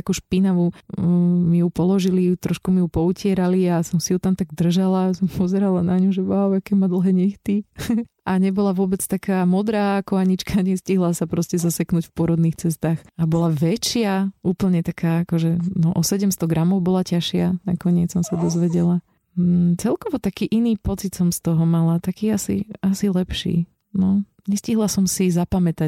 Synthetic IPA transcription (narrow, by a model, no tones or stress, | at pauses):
akuʃpinaʋu | mijupɔlɔʒilit̪ɾɔʃkumijupɔucɪɛɾaliasɔmsijut̪amt̪aɡd̪r̩ʒalasɔmpʰɔzɛɾalanaɲuʒɛʋaʊakɛmad̪l̩ˠɦɛːɲɛxt̪i | aɲɛbɔlaʋʊɔbɛt͡st̪akaːmɔd̪ɾaːakɔaɲit͡ʃkaɲɛsciɦlasapɾɔscɛzasɛknucfpʊɔɾɔd̪nixt͡sɛst̪aːxabɔlaʋɛt͡ʃɪauːpl̩ɲɛt̪akʰaːakɔʒɛnɔʔɔsɛɟɛmst̪ɔɡɾamɔʊbɔlacaʃɪana̰kɔɲɪɛt͡ssɔmsad̪ɔzʋɛɟɛla | t͡sɛlkɔʋɔt̪akiːʔiniːpɔt͡sit̪sɔmst̪ɔɦɔmalat̪akiːasḭasilɛpʃḭː | nɔ | ɲɛsciɦlasɔmsizapamɛt̪a